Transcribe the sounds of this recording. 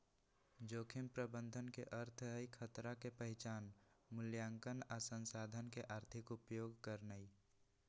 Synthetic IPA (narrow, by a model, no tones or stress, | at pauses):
d͡ʒoːkʰimpɾəbənd̪ʱənkeʔəɾt̪ʰɦəikʰət̪ɾakepəɦɪt͡ʃaːn | mʊljaːŋkənasənsaːd̪ʱənkeʔaːɾt̪ʰɪkʊpjoːɡkəɾnəi